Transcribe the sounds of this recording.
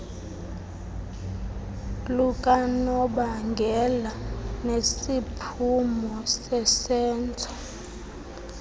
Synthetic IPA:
lukʼanɔɓaŋɡʱɛlanesipʰumɔsɛsɛːnt͡sʰʼɔ

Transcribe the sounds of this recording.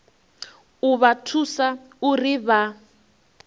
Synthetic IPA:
uβatʰusa | uriβa

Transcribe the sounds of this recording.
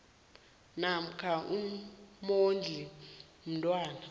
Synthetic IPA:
nam̩kʰaʔumond͡ɮʱi | m̩ntʼwaːna

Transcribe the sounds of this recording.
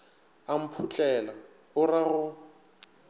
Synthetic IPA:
am̩pʰut͡ɬʼɛla | ʊɾaɣʊ

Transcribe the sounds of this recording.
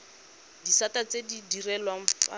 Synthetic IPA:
disatat͡sedidirɛlwaɱ̩fa̰

